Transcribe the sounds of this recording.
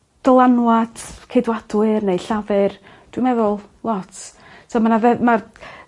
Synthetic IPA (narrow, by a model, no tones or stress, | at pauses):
d̥ɔlˠanwadkʰejdwadʊɨrnejɬavɨr | d̥wimɛðʊlˠlˠɔtʰ | sʰomanavɛmar